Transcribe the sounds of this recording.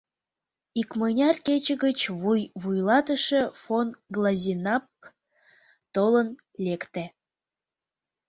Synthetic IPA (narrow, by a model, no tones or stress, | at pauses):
ikmənʲɑrket͡ɕəɣət͡ɕβujβujlɑt̪əʃə̆fonɡlˠɑzʲinɑp̚ | t̪olən | lekt̪æ